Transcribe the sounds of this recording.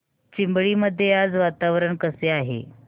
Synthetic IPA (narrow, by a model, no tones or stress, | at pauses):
t͡ɕimbɭiːməd̪ʱːjead͡zʋat̪aʋɾəɳkəseaɦḛ